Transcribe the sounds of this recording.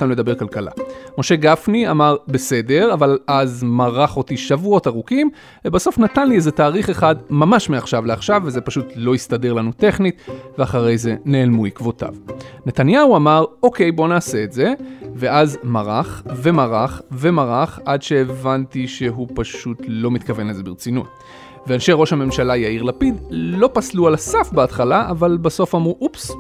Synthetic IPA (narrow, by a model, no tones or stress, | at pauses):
t̪anule̞d̪abe̞ʁkalkala̰mo̞ʃe̞ɡafniamaʁbe̞se̞de̞ʁavalazmaʁaχo̞tiʃavuo̞taʁukim | vebaso̞fnatanliezetaːʁiχeχadmamaʃmeaχʃavleaχʃavːeze̞paʃutlo̞ist̪ade̞ʁlanute̞χnitveaχaʁe̞jze̞neːlmuikvota̰vne̞t̪anjauamaʁo̞ke̞jbo̞naːse̞ːtze̞ve̞ʔazmaʁaχve̞maʁaχve̞maʁaχʔadʃe̞ːvantiʃe̞ɦupaʃutlo̞mit̪kave̞neze̞beʁt͡sinṵt̪̚ | vealʃejʁo̞ʃhame̞mʃalajaiʁlapidlo̞paslualasafbeatχalaʔavalbaso̞famʁuʔups